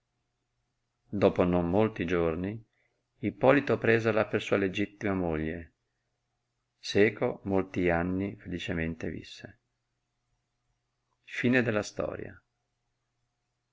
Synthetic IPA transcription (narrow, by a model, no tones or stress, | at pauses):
d̪ɔːponomːolt̪id͡ʒorni | ipːɔːlit̪opɾeːzelapersuːaled͡ʒit̪ːimamoʎːe | sɛːkomolt̪ianːifelit͡ʃement̪evḭsːe | fiːned̪elːast̪ɔ̰ːɾja̰